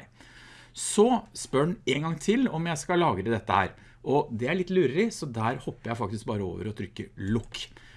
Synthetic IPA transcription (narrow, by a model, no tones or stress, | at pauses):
sɔspœɳeːŋɡɑŋːt̪ʰɪlɔmjæɪskɑlɑːɡəd̪əd̪ɛt̪ːəhæ̰ːɾ | ʔɔd̪ɛæɭɪt̪ːlʉːɾəlɪsɔd̪æːɾhɔpːəɾjæɪfɑk̚t̪ɪsk̚bɑːɾəo̰ːʋə̰ɾɔt̪ʰɾʏkːəlʊkː